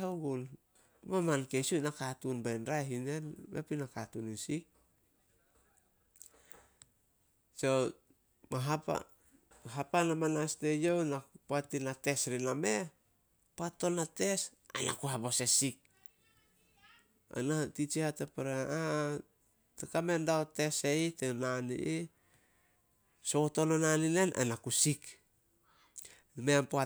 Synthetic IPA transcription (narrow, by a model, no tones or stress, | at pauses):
aɡul | mamankesunakatunbajnɾajɦine̞nmḛpinakatunisik̚ | so | maɦaa̰ | ɦapanamanaste̞jownapoatinate̞sɾiname̞ | poatːo̞nate̞s | a̰na̰kuɦabo̞sesik̚ | a̰natit͡ʃihatepaɾaa | tekame̞ndaote̞se̞jtenanḭʔi | soto̞nonanine̞na̰nakusik | meampoa